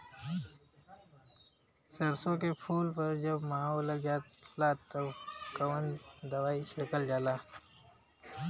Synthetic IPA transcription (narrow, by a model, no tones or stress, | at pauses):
sɐɾsõkepʰuːlpɐɾd͡ʒɐbmaːolɐɡjaːt̪laːt̪ɐkɐwənd̪ɐwaːiʃɐkəld͡ʒaːlaː